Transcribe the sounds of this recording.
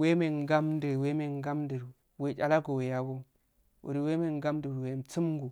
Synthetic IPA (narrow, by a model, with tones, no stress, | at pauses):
we˦me˨ŋ˨ɡa˦mdi˨ɾwe˦me˨ŋ˦ɡa˦mdi˨ɾu˨ | we˨t͡ʃa˨la˦ɡo˨we˨ja˦ɡo˦ | wo̰˨di˨we˦me˦˨ŋ˨ɡa˦m˦di˨ɾwe˨m˨t͡si˦m˦ɡu˨